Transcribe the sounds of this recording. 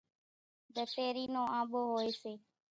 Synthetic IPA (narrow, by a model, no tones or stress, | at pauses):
d̪ət̪eːɾiːnõːʔãːɓoːɦoːeːseː